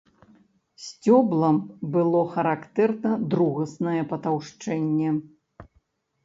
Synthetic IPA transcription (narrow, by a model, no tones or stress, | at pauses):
sʲt͡sʲɔblˠɐmbɨlˠɔxɐɾakt̪ɛrnɐd̪ɾuɣɐsnɐjɛpɐt̪awʂt͡ʂɛnʲːɛ